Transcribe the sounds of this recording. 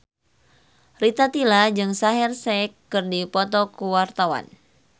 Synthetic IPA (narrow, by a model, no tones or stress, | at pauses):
rit̪at̪ilad͡ʒɨŋsaɦɛrsɛkːɨrdipɔt̪ɔkuwart̪awa̰n